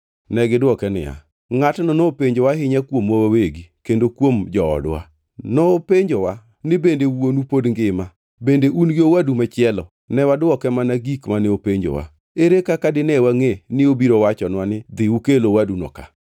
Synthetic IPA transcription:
nɛɡɪdwɔkɛnɪ̰ja̰ | ŋatnɔnopeɲd͡ʒowaɦɪɲakwomwawaweɡikendokwomd͡ʒɔɔ̰dwa̰ | nɔːpeɲd͡ʒowa | nɪbendewwonupodŋɡɪma | bendeʔunɡiowadumat͡ʃɪɛlɔ | nɛwadwɔkɛmanaɡikmanɪopeɲd͡ʒo̰wa̰ | eɾekakadɪnɛwaŋenɪobiɾowat͡ʃɔnwanɪd̪ɪukelowadunɔ̰ka̰

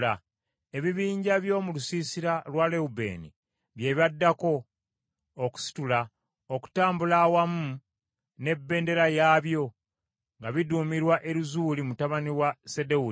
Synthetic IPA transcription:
a | e̞βiβiːɲɟaβjo̞ːmulusiːsiɾalwale̞ube̞̰ːnḭ | βje̞βadːako̞ː | ku̥si̥tula | oku̥taːmbulawamu | ne̞bːe̞ːnde̞ɾajaːβjo̞ | ŋɡaβiduːmiɾwaʔe̞ɾuzuːlimutaβaniwasedeu

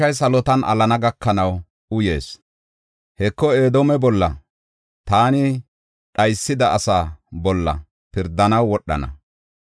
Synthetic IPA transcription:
ɐjs̬ɐlɔt̪ɐnʔɐ̰lɐnɐɡɐkːɐnɐw | ʊje̞̰ːs | hɛkːɔeːd̪oːmɛbɔlːɐ̰ | t̪aːnɪ | ɗɐjsːɪd̪ɐːsaːbɔlːɐ̰ | pɪɾd̪ːɐnɐwːɔɗːɐ̰nɐ̰

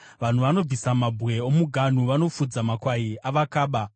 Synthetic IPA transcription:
ʋan̤uʋano̞b͡visamabʱwe̞omuɡʱan̤uʋano̞fud͡zamakwaiaʋakaːɓa

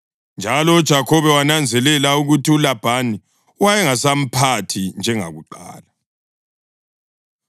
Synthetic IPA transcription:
nd͡ʒʱalɔud̥ʒ̥ʱakʰɔβɛwanand͡zʱɛlɛlauɣutiulab̥ʱani | wajɛŋasam̩pʰatʰind͡ʒʱɛŋa̰ɣuǃa̰ːla

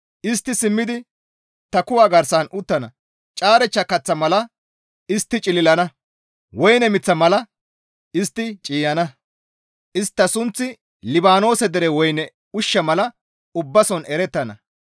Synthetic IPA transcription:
ʔɪst̪ːɪsɪmːɪd̪ɪ | t̪ɐkʊwaːɡɐɾsɐnʊt̪ːɐnɐ | t͡ʃʼaːɾɛt͡ʃːɐkɐt͡sːɐmɐlɐ | ɪst̪ːɪt͡ʃʼɪlɪlɐnɐ | wɔjnɛmɪt͡sːɐmɐlɐ | ɪst̪ːɪt͡ʃʼiːjɐnɐ | ʔɪst̪ːɐsʊnt͡sːɪ | lɪbaːno̞ːsɛd̪ɛɾɛwɔjnɛ | ʊʃːɐmɐlɐ | ʊbːɐsɔnɛɾɛt̪ːɐnɐ̰

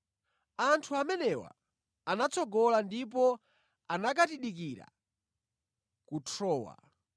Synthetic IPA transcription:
antʰuamɛnɛwa̰ | anat͡sɔɡɔlandip̬ɔ | anak̬atiɗik̬iɾa̰ | kutʰɔːwa̰

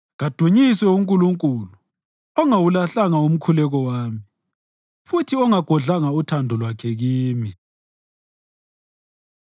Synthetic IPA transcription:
ɣad̥ʱuɲiswɛuŋkʼuluŋkʼulu | ɔŋawulaɬaŋaum̩kʰulɛɣɔwaːmi | futʰiɔŋaɡ̥ʱɔɮaŋautʰandʱɔlwakʰɛɣiːmi

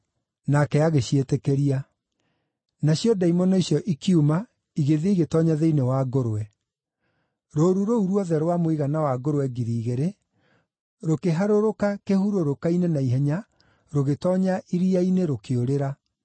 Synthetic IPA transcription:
nakɛaɣeɕietɛkɛɾia | naɕjɔdaimɔnɔiɕjɔʔikiuma | iɣeðeiɣetɔɲaðeinewaɡoɾowɛ | ɾoɾuɾouɾwɔðɛɾwamwiɣanawaɡoɾwɛɡiɾiːɣeɾe | ɾokeɦaɾoɾokakehuɾoɾokainenaiɦɛɲa | ɾoɣetɔɲaʔiɾiaineɾokeoɾeɾa

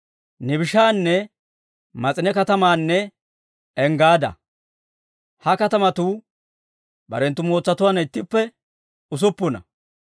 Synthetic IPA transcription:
nɪbɪʃaːnːɛ | mɐt͡sʼɪnɛkɐt̪ɐmaːnːɛ | ɛŋɡaːd̪ɐ̰ | hɐkɐt̪ɐmɐt̪uː | bɐ̰ɾɛnt̪ːʊmo̞ːt͡sːɐt̪ʊwaːnɪt̪ːɪpːɛ | ʊs̬ʊpːʊnɐ̰

